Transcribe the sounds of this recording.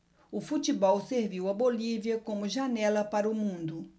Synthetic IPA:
ʊfut͡ʃibɔwseɾviwɐboliviɐkõmʊʒanɛlɐpaɾɐʊmũnd̪ʊ

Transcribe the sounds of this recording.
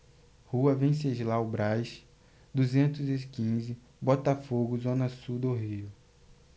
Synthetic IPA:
huɐvẽj̃seʒlawbɾajʃ | d̪uzẽnt̪ʊzɪkĩzɪ | bɔt̪afoɡʊzõnɐsud̪oɦiʊ

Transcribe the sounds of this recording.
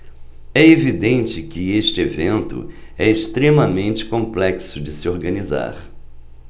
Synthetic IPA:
ɛevid̪ẽnt͡ʃɪkɪeʃt͡ʃɪevẽnt̪ʊ̰ɛɪʃt̪ɾemɐmẽnt͡ʃɪ̥kõmplɛksʊd͡ʒɪsɪoɾɡɐniza̰ɾ

